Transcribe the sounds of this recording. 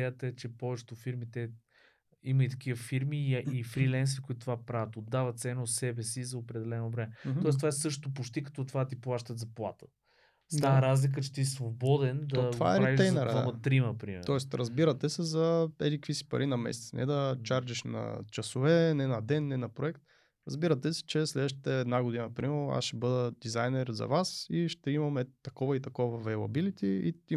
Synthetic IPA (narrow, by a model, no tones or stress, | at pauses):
ɛjət̪əɛt͡ʃɛpɔvɛt͡ʃɛ̥t̪ʊfiɾmit̪ɛ | imɐit̪ɐ̥k̟ivəfiɾmiifɾilɛnsvikoit̪ot̪ovapɾavət̪od̪avɐt̪t̪sɛnəot̪sɛbɛsizɐopɾɛd̪ɛlɛnobɾɛmɛt̪ɔɛst̪vaɛsɤʃ̬t̪o̥t̪opot͡ʃt̪ikɐ̥t̪ɔt̪ovat̪iplˠaʃt̪ət̪zɐplˠa̰t̪ə̥ | st̪aɾazlik̬ət͡ʃɛ̥t̪isvobɔd̪ɛnd̪tva̰ɛɾɾiaiɛjnɛɾamət̪ɾiməpɾḭmɛ̰ɾɔɛst̪ɾɐzbiɾət̪ɛsɛzɐɛd̪ikəvisi̥pɐ̰ɾʔinɐmɛ̰sɛ̥t̪ɛnɛ̰d̪ɐt͡ʃaɾt͡ʃiʃnɐ̰t͡ʃɐsovɛnɛnɐd̪ɛnːɛnɐpɾoɛkt̪̚ | ɾɐzbiɾət̪ɛsɛ̥t͡ʃɛslɛd̪əʃ̬t̪i̥t̪ɛːd̪naɡʊd̪inəpɾimɛɾa̰sʃɛbɤd̪əd̪izajnɛɾzɐ̰vasiʃt̪ɛimɐmɛt̪ɐkɔvɐit̪ɐkɔvvɐvɛlˠɐ̰bilit̪iḭt̪i